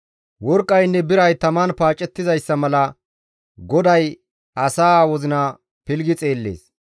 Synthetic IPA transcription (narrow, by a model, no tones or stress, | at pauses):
wɔɾkʼːɐjnːɛbɪɾɐjt̪ɐmanpaːt͡ʃʼːɛt̪ːɪzɐjsːɐmɐlɐ | ɡɔd̪ɐj | ɐsaːwɔzɪnɐ | pɪlɡɪt͡sʼe̞ːlːḛːs